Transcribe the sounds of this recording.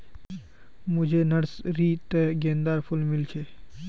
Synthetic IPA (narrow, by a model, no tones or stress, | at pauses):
mʊd͡ʒʱenəɽsɾiːt̪əɡẽːnd̪aːɾpʰʊlmɪlt͡ʃʰe